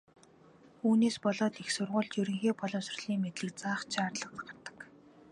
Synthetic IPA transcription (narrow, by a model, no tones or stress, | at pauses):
uːneːspɔɮɔːt̪ixsʊrʁʊːɮt͡ɕ̪jɵɾɵ̆ŋxeːpɔɮɞ̆msʊ̥̆rɮ̥iːŋmet̪ɮɘ̆k̚t͡saːχt͡ɕʰaːrɮə̆ə̆t̪ɢart̪ə̥̆k